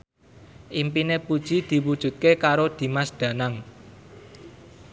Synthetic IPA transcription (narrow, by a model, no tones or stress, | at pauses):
ʔimpinepud̥ʒ̥i̤d̪̥i̤wud̥ʒ̥ṳt̪̚kekaɾod̪̥i̤masd̪̥ä̤naŋ